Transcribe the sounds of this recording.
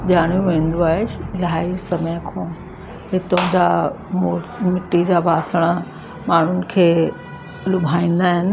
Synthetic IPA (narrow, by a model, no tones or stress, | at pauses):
ʄaːɽ̃jũʋẽːn̆d̪uaːɪʃlaːiɾsɐməjəkʰõː | ɦɪt̪õd͡ʑaː | mmɪʈid͡ʑaːbaːsəɽ̃ə | maːɳ̤ʊnɪ̆kʰeː | lʊbʱaːĩːnd̪aːɦɪnɪ̆